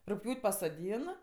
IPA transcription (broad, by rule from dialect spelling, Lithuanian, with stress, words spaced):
rʊkˈpʲjuːtʲ pɐsoːˈdʲiːn